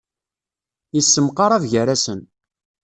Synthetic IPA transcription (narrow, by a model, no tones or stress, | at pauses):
isːəmqɑɾˤɑvʝəɾæsən